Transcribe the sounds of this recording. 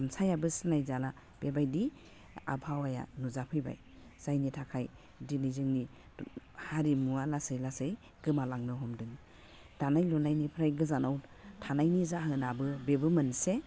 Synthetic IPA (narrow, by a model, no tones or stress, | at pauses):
amsajabɯsɯnajzala | b̥ebajdi | a̰bʰawaja̰nuzapʰɯjba̰j | z̥ajnitʰakʰaj | dinizɯŋni | haɾimualasɯjlasɯj | ɡɯmalaŋnɯɦɔmdɯŋ | d̥anajlɔnajnipʰɾajɡɯzanawtʰanajnizaɦɯnabɯbebɯmɯnse